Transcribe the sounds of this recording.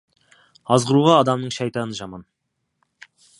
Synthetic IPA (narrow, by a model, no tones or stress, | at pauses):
ɑzʁəɾuʁɑːd̪ɑmnəɴʃɑjt̪ɑnəʒɑmɑn